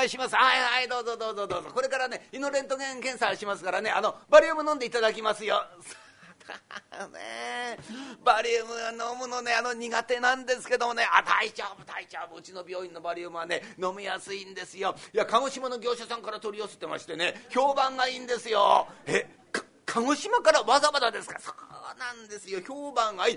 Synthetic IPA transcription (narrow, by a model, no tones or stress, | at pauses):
iɕimasɨhaihaid̪o̞ːzod̪o̞ːd̪oːd̪oːzoko̞ɾe̞kaɾane̞ino̞ɾẽ̞nt̪o̞ɡẽ̞ŋkẽɰ̃saɕimasɨ̥kaɾane̞ano̞baɾʲiɯmɯnõnd̪eit̪ad̪ak̬ʲimasɨjo̞so | d̪̥anḛ | baɾʲiɯmɯ̟ano̞mɯ̟no̞ne̞ano̞ɲ̟iɡat̪e̞nãnd̪e̞sɨ̥ke̞d̪o̞mo̞ne̞a̰t̪ait͡ɕoːbɯt̪ait͡ɕoːbɯɯ̟t͡ɕino̞bʲo̞ːĩnːo̞baɾʲiɯmɯ̟βane̞no̞mijasɨĩnd̪e̞sɨjo̞iakaɡo̞ɕimano̞ɡʲo̞ːɕasãŋkaɾat̪o̞ɾʲiose̥t̪e̞ma̰ɕi̥t̪e̞ne̞ço̞ːbãŋɡaiːnd̪e̞sɨjo̞̰e | k | kʰaŋo̞ɕimakaɾaβazabad̪ad̪esɨ̥kasoːnãnd̪e̞sɨjo̞çoːbãŋɡai